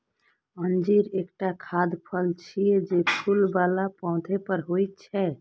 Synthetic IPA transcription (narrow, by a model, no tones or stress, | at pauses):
ənd͡ʒiɾekʈakʰad̪pʰəlt͡ʃʰijɛd͡ʒepʰulbalapãʊ̃d̪ʱepəɾɦojt̪t͡ʃʰɛ